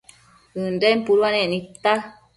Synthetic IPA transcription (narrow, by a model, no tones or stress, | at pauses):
ɯndempuɾwanɛ̃nit̪ːa